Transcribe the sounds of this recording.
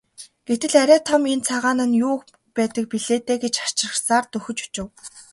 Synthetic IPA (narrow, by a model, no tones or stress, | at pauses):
ɡ̥et̪ɘ̆ɮæɾʲæːt̪ʰɔment͡sʰaʁaːnə̆njʊːk | pæːt̪ə̆k̚piɮeːt̪eːɡet͡ɕar̥t͡ɕrə̆χsaːrt̪ɵxɵ̆t͡ɕu̥t͡ɕɪ̆w